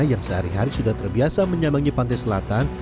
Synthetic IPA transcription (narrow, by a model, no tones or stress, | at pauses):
jaŋsəɦa̰ɾiɦa̰ɾisudaht̪ərbiasaməɲamaŋipank̪ajsəlat̪an